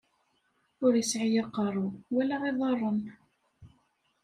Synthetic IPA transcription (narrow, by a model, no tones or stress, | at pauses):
ʊɾəsʕijɑqːɑɾˤuwælæʁeðˤɑrˤːən